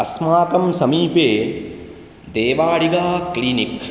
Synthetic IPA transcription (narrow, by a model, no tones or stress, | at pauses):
ɐsmaːkɐmsɐmiːpeː | d̪eːʋaːɽiɡaːklinik